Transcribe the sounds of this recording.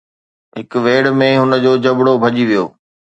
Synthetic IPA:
ɦɪkʋeːɽmẽɦʊnə̆d͡ʑoːd͡ʑɐbɽobʱɐʄiʋijo̰ː

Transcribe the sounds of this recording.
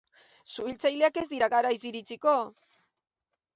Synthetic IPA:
suilt͡sajleake̞zd̪iɾaɣaɾajsiɾit͡siko̞

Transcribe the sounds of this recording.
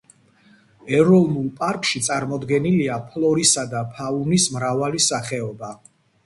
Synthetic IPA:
ɛɾɔnulˠpʼaɾkʼʃit̪sʼaɾmɔd̪ɡɛniliapʰlˠɔɾisad̪apʰaunismɾavalisaχɛɔba

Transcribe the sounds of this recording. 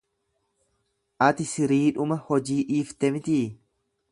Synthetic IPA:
ʔɐt̪ɪsɪɾiːᶑʊmɐhɔd͡ʒiːʔiːft̪ɛmɪt̪iː

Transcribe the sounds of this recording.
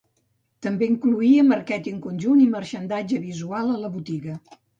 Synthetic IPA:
t̪əmbeiŋkluiəməɾkɛt̪iəŋkunʲʒunimərʃənd̪ad͡ʒəβizualˠələβut̪iɣə

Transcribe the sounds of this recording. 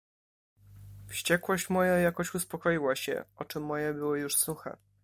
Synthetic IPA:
fɕt͡ɕɛkwɔɕt͡ɕmɔjajakɔɕuspɔkɔjiwaɕɛ̰ɔt͡ʂɘmːɔjɛbɘwɘjuʂsuxɛ̰

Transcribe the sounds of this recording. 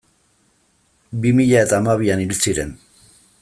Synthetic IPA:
bimiʎaet̪amaβianilit͡siɾɛ̰n

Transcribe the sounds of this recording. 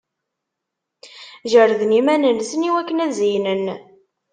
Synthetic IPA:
ʒəɾðnimænənsəniwækːənæzijnən

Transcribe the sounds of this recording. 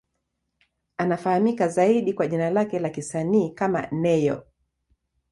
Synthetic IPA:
anafahamikazaiɗikwaʄinalakɛlakisaniːkama̰nɛjɔ̰

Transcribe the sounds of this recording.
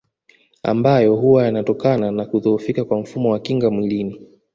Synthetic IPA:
a̰mbajɔɦuwajanatɔkananakuðɔufikakwam̩fumɔwakiŋɡamwilini

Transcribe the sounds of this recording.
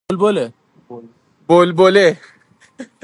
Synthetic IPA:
olbole | bolbole

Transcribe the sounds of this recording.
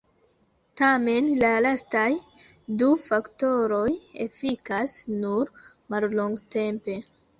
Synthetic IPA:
tame̞nlalastajdufakto̞ɾo̞jḛfikasnuɾ | malloŋɡte̞mpe̞

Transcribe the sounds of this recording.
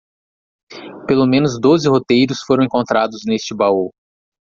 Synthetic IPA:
pelomẽnʊzd̪ozɪhot̪ejɾʊsfoɾɐ̃w̃ẽŋkõnt̪ɾad̪ʊznest͡ʃɪbao

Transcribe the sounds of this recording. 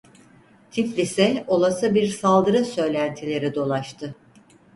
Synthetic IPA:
t̪ʰiflʲisɛo̞lˠasɯbiɾsalˠd̪ɯɾasø̞jlʲænt̪ʰilʲe̞ɾid̪o̞lˠaʃt̪ʰɯ

